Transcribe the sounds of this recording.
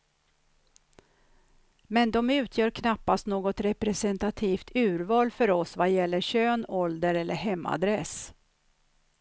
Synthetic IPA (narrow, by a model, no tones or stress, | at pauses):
mɛnd̪ɔmʉ̟ːt̪ʰjœːɾkʰnapːast̪noːɡɔt̪ɾɛpɾɛsɛnt̪at̪ʰiːft̪ʰʉ̟ːɾvɑːlfœɾɔsvajɛlːəɕøːnɔld̪əɾɛlːʔəɾɦɛmːa̰d̪ɾɛs